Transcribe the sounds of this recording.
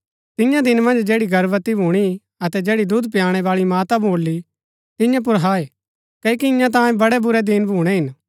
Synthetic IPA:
t̪ɪjãd̪ɪnmɐ̃nd͡ʒd͡ʒeːɽiɡɐɾʋət̪ibʱuːɽ̃i | ɐt̪ɛd͡ʒɛːɽid̪ʊd̪pjaːɽ̃ɛʋaːɭimaːt̪abʱoːlːi | t̪ɪ̃jãp̬ʊɾɦaːeː | kɐjkiɪjãt̪̬ãːẽbɐɽɛbʊɾɛd̪ɪnbʱũːɽ̃ɛɦɪn

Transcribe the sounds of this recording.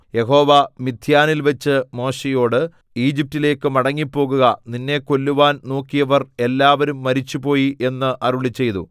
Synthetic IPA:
je̞ɦo̞ːʋɐmid̪ʱjaːnilʋɐt͡ɕːɨmo̞ːɕejo̞ːɽɨ | iːd͡ʑip̚tile̞ːkːɨmɐɽɐŋːipːo̞ːɣuɣɐninːe̞ko̞lːuʋaːnnoːkːijɐʋɐre̞lːaːʋɐɾumːɐɾit͡ɕːupo̞ːjiʔe̞nːɨʔɐruɭit͡ɕːe̞jt̪ṵ

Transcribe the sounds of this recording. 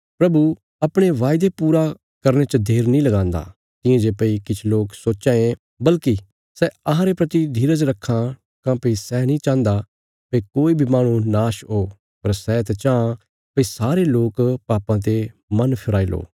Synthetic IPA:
pɾɐbu | ɐpɽ̃eʋaːjd̪epuːɾa | kɐɾnet͡ʃɐd̪ʱeːɾnĩlɐɡãːnd̪a̰ | t̪ɪ̃ẽd͡ʒepɐikɪt͡ʃʰloːksoːt͡ʃãẽ | bɐlki | sɛɐɦãɾepɾɐt̪id̪ʱiːɾəd͡ʒɾɐkʰːã | kãpesɛːnĩt͡ʃãːnd̪a | pekoːibʱimaːɽ̃ũnaːʃɦoː | pɐɾsɛt̪ɛt͡ʃãːã | pisaːɾeloːkpaːpãt̪̬emɐnpʰɪɾaːilo̰ː

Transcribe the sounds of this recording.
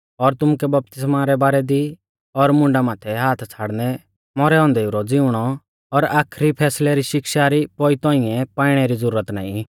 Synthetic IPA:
ɔɾt̪ʊmukɛbɐp̚t̪ɪsmaɾɛbaːɾɛd̪i | ɔɾmʊ̃ɳɖamãːt̪ʰɛɦaːt̪ʰt͡sʰaːɽnɛ | mɔɾɛɔ̃ːnd̪ɛuɾɔd͡zɪuɽ̃ɔ | ɔɾaːkʰɾipʰɛːslɛɾiʃɪkʃaɾipɔit̪ɔ̃ĩɛ̃paːɪɽ̃ɛɾid͡zəɾuːɾət̪na̰ːĩ

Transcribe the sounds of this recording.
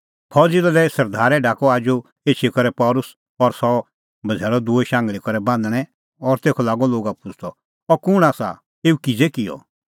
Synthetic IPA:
pʰɔd͡zɪlalɛsɐɾd̪ʱaːɾɛɖʱaːkɔaːd͡ʒo | eːt͡ʃʰikɔɾɛpɔːlʊs | ɔɾsɔ | bʱɐd͡zʱɛːɾɔd̪ueʃãːŋɡɭikɔɾɛbãːnd̪ɽ̃ɛ̃ | ɔɾt̪eːkʰɔlaːɡɔloːɡapʊd͡ʒʰʱt̪ɔ | ɔkʊɽ̃aːsa̰ | eːukɪd͡zekɪjɔ̰

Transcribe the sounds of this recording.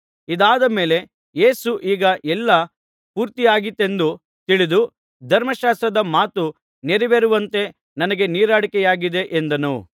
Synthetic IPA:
id̪aːd̪ɐme̞ːle̞ | je̞ːsuʔiːɡɐʔɛlːɐ | puːɾt̪ijaːɡit̪ːe̞nd̪u | t̪iɭid̪u | d̪ʱɐɾmɐʃaːst̪ɾɐd̪ɐmaːt̪u | neɾiʋeɾuʋɐnt̪e̞ | nɐnɐɡe̞niːɾaːɽikɛjaːɡid̪e̞ʔend̪ɐnṵ

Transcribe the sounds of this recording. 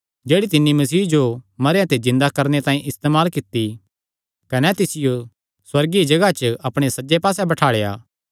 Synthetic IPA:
d͡ʒeːɽit̪ɪnːimɐsiːd͡ʒomɐɾejãt̪ezɪ̃nd̪akɐɾnet̪ãːĩʔɪst̪eːmaːlkɪt̪ːi | kɐnɛt̪ɪsɪjo | swɐɾɡid͡ʒɐɡat͡ʃəɐpɽ̃esɐd͡ʒepaːsɛbɐʈʰaːɭeja̰ː

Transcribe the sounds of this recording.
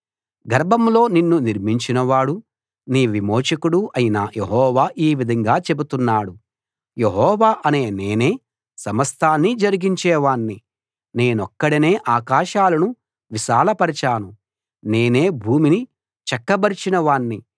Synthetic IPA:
ɡɐɾbʱɐmlo̞ːninːuniɾmiɲt͡ʃinɐʋaːɽu | niːʋimoːʃɐkuɽuʔɐjinaje̞ɦɔːʋaːʔiːʋid̪ʱɐŋɡaːt͡ʃe̞but̪unːaːɽu | je̞ɦɔːʋaːʔɐne̞ːne̞ːne̞ː | sɐmɐst̪ʰaːnːid͡ʒɐɾiɡiɲt͡ʃɛːʋaːɳːi | ne̞ːnɔkːɐɽine̞ːʔaːkaːʃaːlɐnu | ʋiʃaːlɐpɐɾit͡ʃaːnu | ne̞ːne̞ːbʱuːmini | t͡ʃɐkːɐbɐɾit͡ʃinɐʋaːɳːi

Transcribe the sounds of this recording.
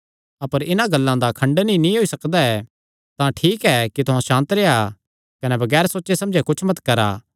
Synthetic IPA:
ɐpəɾɪnãɡɐlːãd̪akʰɐ̃ɳɖnĩnĩɦoisɐkd̪aɛ | t̪ãʈʰiːkɛkit̪ʊɦãʃãːnt̪ɾea | kɐnɛbɐɡɛːɾsoːtːt͡ʃesɐ̃md͡ʒɛkʊt͡ʃʰmɐt̪kɐɾa̰ː

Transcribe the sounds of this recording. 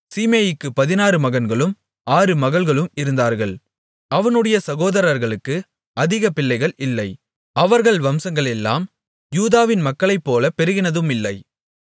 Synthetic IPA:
siːmeːjɪkːɯpɐðɪnaːɾɯmɐɣɐnɡɐɭɯm | aːɾɯmɐɣɐɭɣɐɭɯmɪɾɯnd̪aːɾɣɐɭ | ʔɐʋɐnɯɽɐjɐsɐɣoːðɐɾɐɾɣɐɭɯkːɯ | ɐðɪɣɐpɪlːɐɪɣɐɭʔɪlːɐɪ | ɐʋɐɾɣɐɭʋɐmsɐŋɡɐɭɛlːa̰ːm | juːðaːʋɪnmɐkːɐɭɐɪpːoːlɐpɛɾɯɣɪnɐðɯmɪlːɐɪ

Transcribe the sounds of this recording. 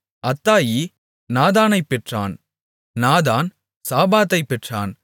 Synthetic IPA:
ɐt̪ːaːji | naːðaːnɐɪpːɛʈra̰ːn | naːðaːn | saːbaːt̪ɐɪpːɛʈra̰ːn

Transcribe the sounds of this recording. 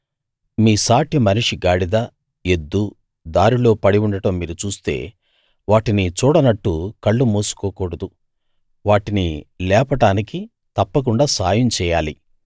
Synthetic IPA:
miːsaːʈjɐmɐniʂiɡaːɽid̪a | e̞d̪ːu | d̪aːɾilo̞ːpɐɽiuɳɖɐʈɐmːiːɾut͡ʃuːst̪e̞̰ː | ʋaːʈinit͡ʃuːɽɐnɐʈːukɐɭːumuːsu̥kɔːkɔːɽɐd̪u | ʋaːʈinilɛːpɐʈaːniki | t̪ɐpːɐk̬uɳɖaːsaːjɐmt͡ʃɛːjaːli

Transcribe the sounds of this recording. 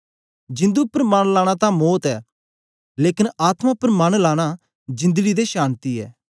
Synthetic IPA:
d͡ʒɪ̃nd̪upɾəmaːɽ̃laːɽ̃at̪ãmɔːt̪ɛː | leːkɪnaːt̪mapɾəmaːñlaːɽ̃a | d͡ʒɪ̃nd̪əɡid̪eʃaːnt̪iɛ̰ː

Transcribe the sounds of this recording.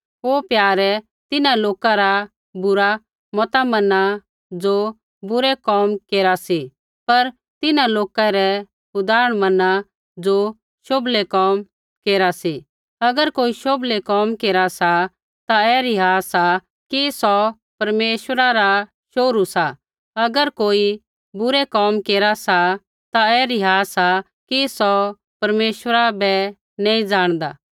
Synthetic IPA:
oːpjaːɾɛ | t̪ɪnãloːkaɾa | bʊɾa | mɔt̪amɐna | d͡zoː | bʊɾɛkɔːmkeːɾasi | pɐɾ | t̪ɪnãloːkaɾɛ | ʊd̪aːɾəɽ̃mɐna | d͡zoː | ʃoblɛkɔːm | keːɾasi | ɐɡəɾkoːiʃoblekɔːmkeːɾasa | t̪aɛːɾiɦaːsa | kisɔ | pɐɾmeːʃwəɾaɾa | ʃoːɾusa | ɐɡəɾkoːi | bʊɾɛkɔːmkeːɾasa | t̪aɛːɾiɦaːsa | kisɔ | pɐɾmeːʃwəɾabɛ | nɛ̃ːĩd͡ʒaːɽ̃d̪a̰ː

